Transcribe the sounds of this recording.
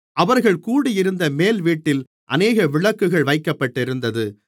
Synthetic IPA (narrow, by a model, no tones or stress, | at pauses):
ʔɐʋɐɾɣɐɭkuːɽɪjɪɾɯnd̪ɐmeːlʋiːʈːɪl | ʔɐ̰neːɣɐʋɪɭɐkːɯɣɐɭʋɐɪkːɐpːɐʈːɪɾɯnd̪ɐðɯ